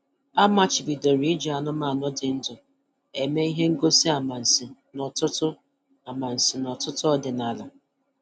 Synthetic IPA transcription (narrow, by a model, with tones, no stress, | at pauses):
a˦ma˦t͡ʃɪ˨bi˨do˨ɾi˨˦d͡ʒa˨nʊ˦ma˨nʊ˦dɪ˨n̩˦dʊ˨ | e˨me˦i˦ɦe˦ŋ̩˦ɡo˦si˦a˨ma˨n̩˨sɪ˨nɔ˨tʊ˦tʊ˦ | a˨ma˨n̩˨sɪ˨nɔ˨tʊ˦tʊ˦ɔ˦dɪ˨na˨la˨